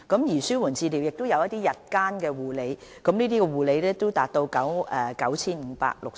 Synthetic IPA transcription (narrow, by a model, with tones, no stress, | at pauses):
kɐ˨˥mjiː˨˩syː˥wuː˨˩nt͡siː˧liː˨˩wjɪ˨k̚t̪o˥wjɐ˨˧wjɐ˥t̪̚iː˥jɐ˨t̚kaː˥nkɛː˧wuː˨le˨˥jkɐ˨˥mniː˥t̪iː˥kɛː˧wuː˨˩le˨˧jlɛː˥t̪o˥wt̪aː˨t̚t̪o˧wkɐ˨˥wʔɛː˨kɐ˨˥wt͡sʰiː˥nm̩˨˧pa̰ː˧k̚lʊ˨k̚